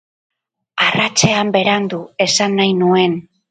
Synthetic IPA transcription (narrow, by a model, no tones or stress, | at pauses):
arat͡ʃe̞ambe̞ɾand̪ue̞sanːajnue̞n